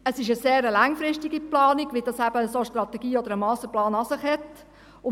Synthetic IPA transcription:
əsɪʃəseːɾəlɑŋfɾɪʃtɪɡiplɑːnɪɡ̥ʋid̥ɑsæb̥əːsoʃtɾɑt̪ːɛɡiːɔd̪əɾəmɑːsəplɑːnɑsɪχhɛt | ʊ

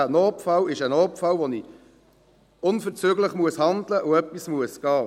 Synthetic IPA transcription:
ænoːpfɑlɪʃənoːpfɑlvoni | ʊnfəʁt͡syːɡləχmuəshɑndləʔʊœpːismuəsɡ̥ɑː

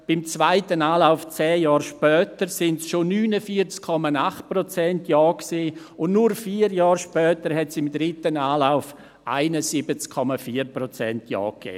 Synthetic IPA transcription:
b̥ɪmt͡svaɪtənaːlaʊft͡sɛːjɑːɾʃpœːtəɾsɪntsʃonyːnəfiːət͡skʰːɔmanaχt̚prɔt͡sɛntjɔːksiː | ʊnnʊɾfiːɾjɑːɾʃpœːtəɾhɛtsɪmdɾɪtənaːlaʊf | ʔa̰ɪnəsibət͡skʰɔmafiːəɾprɔt͡sɛntjɔ̰ːkɛ̰ː

